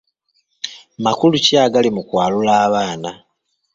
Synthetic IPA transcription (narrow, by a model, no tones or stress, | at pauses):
makuluciaːɡalimukwaːlulaːβaːna